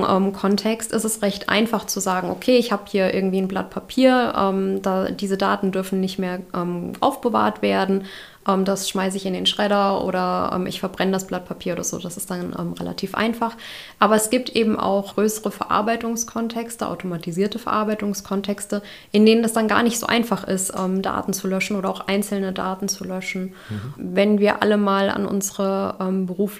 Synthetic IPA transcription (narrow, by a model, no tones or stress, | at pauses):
ʔɛ̰ːmkʰɔntʰɛkstɪstɛstʁɛçtʔa̰ɪnfaχt͡suzaːɡŋ̩ʔokʰeːɪçhaːbəhiːɐʔɪ̰ɐɡŋ̩tv̥iːnbla̰t̚pʰapʰiːɐʔɛ̰ːmd̥ad̥iːzədaːtn̩dʏɐfn̩nɪçtmeːɐʔɛːmʔa̰ʊfb̥əva̰ːɐtv̥eːɐdn̩ | ʔɛːmd̥asʃmaɪs̬əɪçɪndeːnʃʁ̥ɛɾɐʔo̰ːɾɐʔɛ̰ːmʔɪ̰çfɛɐbʁɛnədasb̥lat̚pʰapʰiːɐoːdɐzo̰ːdasɪ̥std̥anʔɛ̰ːmʁḛla̰tʰiːfʔa̰ɪnfaχ | ʔaːbɐɛsɡ̥iːp̚tʔeːbm̩ʔa̰ʊxɡ̥ʁøːsəʁəfɛɐʔa̰ɐbaɪtʊŋskʰɔntʰɛkstəʔa̰ʊtomatʰiziːɐtəfɛɐʔaːɐbaɪtʊŋskʰɔntʰɛkstə | ʔɪndeːnəndasd̥anɡa̰ːɐnɪçtz̥o̰ːʔa̰ɪnfaχɪ̰stʔɛːmda̰ːtn̩t͡sulœʃn̩ʔoːɾɐaʊxʔaɪnt͡sl̩nəda̰ːtn̩t͡sulœʃn̩ | vɛnviːɐʔa̰ləmaːla̰nʔʊ̰nzəʁəʔɛːmbəʁuːf